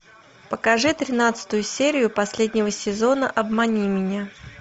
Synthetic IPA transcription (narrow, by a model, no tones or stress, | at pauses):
pəkɐʐɨt̪ɾʲɪnat̪sɨ̥t̪ʊjʊsʲeɾʲɪjʊpɐsʲlʲedʲnʲɪvəsʲɪzo̞nəʔɐbmɐnʲimʲɪnʲa